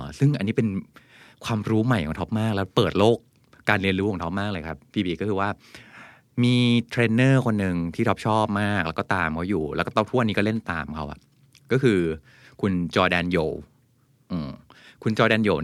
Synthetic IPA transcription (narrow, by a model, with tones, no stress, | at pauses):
sɯ˥˩ŋʔa˧nːiː˦˥pe˧n | kʰwaː˧mɾuː˦˥ma˨˩jkʰɔ̰˨˦ŋt̪ʰo˦˥p̚maː˥˩k̚lɛː˦˥wpɤː˨˩t̪̚loː˥˩kː | aː˧nɾi˧ənɾuː˦˥kʰːŋt̪ʰɔ˦˥maː˥˩klɤː˧jkʰa˦˥pʰːiː˧biː˧˩kɔː˥˩kʰɯː˧waː˥˩ | miː˧t̪ʰɾeː˧nːɤː˥˩kʰo˧nːɯ˨ŋt̪ʰiː˥˩ɔ˦˥p̚t͡ɕʰɔː˥˩p̚maː˥˩k̚lɛ˦˥kɔː˥˩t̪aː˧mkʰɔː˥˩juː˨˩lɛ˦˥kɔ˥˩t̪ɔ˥˩t̪ʰu˥˩˨ʔnːiː˦kɔ˥˩le˥˩nt̪a̰ː˧mkʰa˦˥wʔa̰˨˩ʔ | kɔː˥˩kʰɯː˧ | kʰu˧nt͡ɕɔː˧dɛː˧njoː˨˩w | ʔɯː˨˩kʰu˧nt͡ɕɔː˧dɛː˧njoː˨˩